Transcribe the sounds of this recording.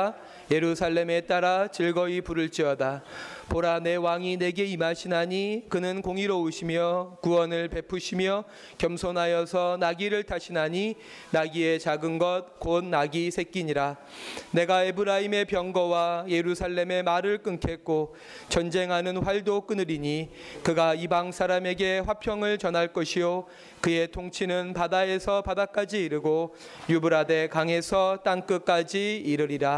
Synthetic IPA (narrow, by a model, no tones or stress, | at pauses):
je̞ɾusʰaɭːe̞me̞t͈aɾat͡ɕiɭɡʌipuɾɯɭt͡ɕ͈iʌdapoɾane̞waŋine̞ɡe̞imaɕʰinaɲikɯnɯnkoŋiɾouɕʰimjʌkuʌnɯɭpe̞pʰuɕʰimjʌ | kjʌmsʰonɦajʌsʰʌnaɡiɾɯɭtʰaɕʰinaɲi | naɡie̞t͡ɕaɡɯnɡʌt̚konnaɡisʰe̞k͈iɲiɾa | ne̞ɡaebɯɾaime̞pjʌŋɡʌwaje̞ɾusʰaɭːe̞me̞maɾɯɭk͈ɯŋkʰe̞k͈o | t͡ɕʌnd͡ʑe̞ŋɦanɯnɸwaɭdok͈ɯnɯɾiɲikɯɡaibaŋsʰaɾame̞ɡe̞ɸwapʰjʌŋɯɭt͡ɕʌnɦaɭk͈ʌɕʰijo | kɯe̞tʰoŋt͡ɕʰinɯnpadae̞sʰʌpadak͈ad͡ʑiːɾɯɡo | jubɯɾade̞kaŋe̞sʰʌt͈aŋk͈ɯk͈ad͡ʑiːɾɯɾiɾa